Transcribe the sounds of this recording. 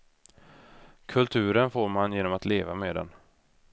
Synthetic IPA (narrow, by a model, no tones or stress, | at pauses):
kʰɵlt̪ʰʉ̟ːɾənfoːɾmanjeːnɔmat̪leːvameːd̪ɛ̰n